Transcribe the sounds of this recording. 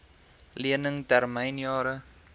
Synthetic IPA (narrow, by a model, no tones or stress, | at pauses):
liənəŋtɛrməjnjɑːɾə